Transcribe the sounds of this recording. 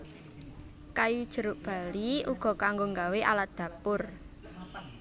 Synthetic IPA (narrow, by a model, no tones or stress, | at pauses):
kajud̥ʒ̥ə̤ɾʊʔb̥a̤liuɡ̥ɔ̤kaŋɡoŋɡaweʔa̰lat̪̚d̪̥ä̤pʊr